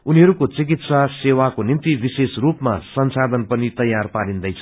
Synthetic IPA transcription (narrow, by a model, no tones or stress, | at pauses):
uniɦʌɾukot͡sik̬it̪sasewakonint̪ibisesrupma̰sʌnsad̪ʱʌnpʌnit̪ʌjːarpaɾind̪ʌjt͡sʰʌ̥